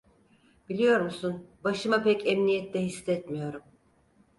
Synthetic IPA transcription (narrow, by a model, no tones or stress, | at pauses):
b̥ilʲijo̞ɾmusunbaʃɯmapɛcɛmnijɛt̪lɛɦisːɛt̪mijo̞ɾum